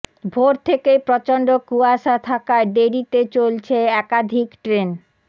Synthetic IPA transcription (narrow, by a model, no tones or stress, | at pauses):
bʱoɾt̪ʰekepɾɔt͡ɕoɳɖokuaʃat̪ʰakaeɖeɾit̪et͡ɕolt͡ɕʰeɛkad̪ʱikʈɾen